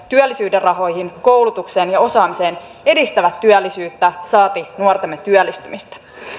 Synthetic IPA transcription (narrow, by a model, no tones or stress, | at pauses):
t̪yælːisyːderɑɦo̞jɦinko̞wlut̪ukse̞ːnjɑo̞sɑːmise̞ːn | e̞dist̪æʋæt̪ːyælːisyːt̪ːæsɑːt̪inuort̪emːet̪yœlːist̪ymist̪æ̥